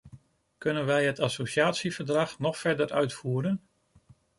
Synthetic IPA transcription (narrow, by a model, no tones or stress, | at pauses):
kɵnənʋɛjɦətɑsowʃjaːtsivəɹdrɑχnɔχfɛɹdəɹœɥtfuːɾən